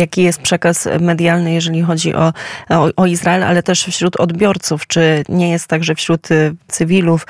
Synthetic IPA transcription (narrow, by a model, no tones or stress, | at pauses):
jakʲijɛst̪̚pʂɛkasmɛd̪ʲjalnɘjɛʐɛlʲixɔd͡ʑḭʔɔʔɔizɾaɛla̰lɛt̪ɛʂfɕɾut̪ʰɔd̪bʲjɔɾt̪suft͡ʂɘɲɛjɛst̪ːaɡʐɛfɕɾut̪t̪sɘvʲiluf